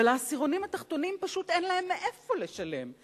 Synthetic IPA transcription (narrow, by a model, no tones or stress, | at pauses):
elasiʁo̞nimat̪aχt̪o̞nimpaʃut̪enlae̞mːeʔefo̞leʃale̞m